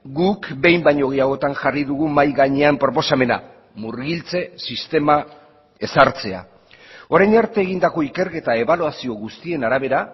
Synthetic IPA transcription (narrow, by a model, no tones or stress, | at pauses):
ɡukbe̞jmbaɲo̞ɣiaɣo̞t̪anʝariðuɣumajɣaɲe̞ampɾo̞po̞same̞na̰ | muɾɣilt͡se̞sist̪e̞ma | e̞saɾt͡se̞a̰ | o̞ɾajnaɾt̪e̞ːɣind̪ako̞ike̞ɾke̞t̪ae̞βaluasio̞ɣust̪ie̞naɾaβe̞ɾa